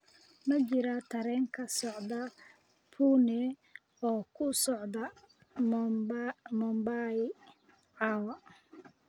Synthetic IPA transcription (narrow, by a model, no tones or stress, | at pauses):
mɐt͡ʃɪɾɐt̪ʰɐɾɛːŋkʰɐsɔʕd̪ɐ | pʰuːnɛ | ɔːkʰʊsɔʕd̪ɐ | m | mɔmbaj | ʕɑːwɐ